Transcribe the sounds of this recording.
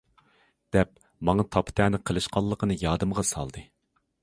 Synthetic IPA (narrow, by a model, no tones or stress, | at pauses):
d̪̥ɛp | mɑŋɑt̪ʰɑpʰt̪ʰæːnɪqʰəlˠɨʃqɑlˠːəqənɨjɑːd̪ɨmʁɑsɑ̰lˠd̪ɨ